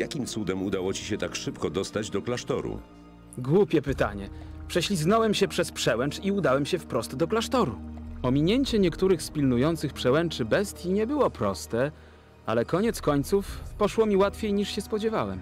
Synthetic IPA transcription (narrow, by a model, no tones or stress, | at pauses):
jakʲimt̪sud̪ɛmud̪awɔt͡ɕi̥ɕɛt̪akʂɘpkɔd̪ɔst̪ad͡ʑd̪ɔklaʂt̪ɔ̰ɾṵ | ɡwupʲjɛpɘt̪a̰ɲɛpʂɛɕlʲiznɔwɛmɕɛpʂɛspʂɛwɛnt͡ʂiud̪awɛmɕɛfpɾɔst̪d̪ɔklaʂt̪ɔɾuɔmʲiɲeɲt͡ɕɛɲɛkt̪uɾɘxspʲilnujɔnt̪sɘxpʂɛwɛnt͡ʂɘbɛst̪ʲjiɲɛbɘwɔpɾɔst̪ɛ | a̰lɛkɔɲɛt̪skɔɲt̪sufpɔʂwɔmʲiwat̪fʲjejɲiʂɕɛspɔd͡ʑɛvawɛ̰m